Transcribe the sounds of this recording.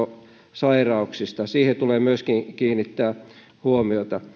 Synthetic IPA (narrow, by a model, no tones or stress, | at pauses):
o | sɑirɑuksist̪ɑsiːhet̪uleːmyøskiŋkiːnːˑit̪ːæː | huomiot̪ɑ